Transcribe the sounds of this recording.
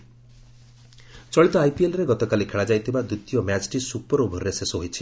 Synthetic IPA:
t͡ʃɔɭit̪ɔajpielɾeɡɔt̪ɔkalikʰeɭad͡ʒajt̪ʰibad̪ɾut̪ijɔmat͡ʃʈisupɔɾubʱɔɾɾesesoɦojt͡ʃʰi̥

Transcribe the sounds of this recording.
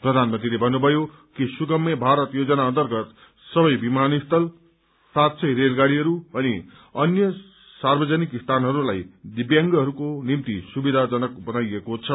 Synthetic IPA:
prʌd̪ʱanmʌnt̪rilebʱʌnːubʱʌjo | kisukʌmʌbʱaɾʌt̪jod͡zʌnaʌnt̪ʌrɡʌt̪ | sʌbʌjbimanist̪ʰʌl | sat̪sʰʌjɾelɡaɽiɦʌɾuʌni | ʌnjʌ | sarbʌd͡zʌnikist̪ʰanɦʌɾulajd̪ibjaŋɡʌɦʌɾukonimt̪isubid̪ʱad͡zʌnʌkbʌnajekot͡sʰʌ

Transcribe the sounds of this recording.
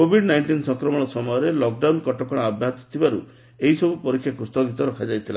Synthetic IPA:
kobʱiɖnajnʈinsɔŋkɾɔmɔɽ̃ɔsɔmɔjɔɾelɔk̚ɖawnkɔʈɔkɔɽ̃aabʱjat̪ɔ̥t̪ʰibaɾu | eisɔbupɔɾikʰːjakɾust̪ɔɡit̪ɔɾɔkʰad͡ʒajt̪ʰila̰

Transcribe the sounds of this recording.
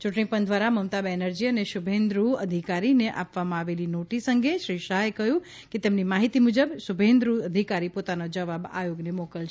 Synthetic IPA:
t͡ʃuʈɳipənd̪ʱʋaɾaməmt̪abɛnəɾd͡ʒiəneʃubʱẽnd̪ɾuəd̪ʱikaɾineʔa̰pʋamãaʋelinoʈisəŋɡeʃɾiʃaɦekəɦjũ | ket̪emnimaɦit̪imud͡ʒəbʃubʱẽnd̪ɾuəd̪ʱikaɾipot̪anod͡ʒəʋaba̰joɡnemokəlt͡ʃ

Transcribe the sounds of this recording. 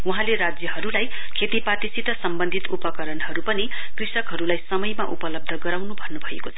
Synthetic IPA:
uɦãleɾad͡zjʌɦʌɾulaj | kʰet̪ipat̪isit̪ʌsʌmbʌnd̪ʱit̪upʌkʌɾʌnɦʌɾupʌni | krisʌkɦʌɾulajsʌmʌjmaʔṵpʌlʌb̚d̪ʱʌɡʌɾawnubʱʌnːubʱʌjekot͡sʰʌ

